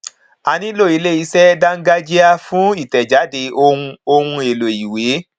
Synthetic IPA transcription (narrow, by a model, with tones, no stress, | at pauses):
a˨˧nĩ˦lo˦˨i˨˦le˦˨i˧sɛ˦da˦ŋ̩˦ɡa˦d͡ʒi˦a˧fũ˦i˦˨tɛ˨d͡ʒa˨˦de˧o˧ũ˧o˧hũ˧e˨lo˨i˨we˨˦